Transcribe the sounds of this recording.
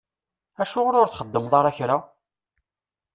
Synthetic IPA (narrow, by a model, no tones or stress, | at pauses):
æʃʊʁʊɾʊɾθχəd̪ːəmðˤɑɾˤæçɾa